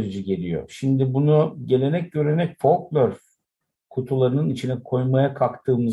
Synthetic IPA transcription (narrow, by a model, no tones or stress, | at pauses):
ɾd͡ʒiɟe̞lʲijo̰ʃimd̪ibunuɟe̞lʲe̞nɛc̚ɟøɾynɛcfo̞lˠklʲˠøɾf | kʰut̪ʰulˠaɾɯnɯnit͡ʃʰinɛkʰo̞jmajakʰakt̪ʰɯːmɯz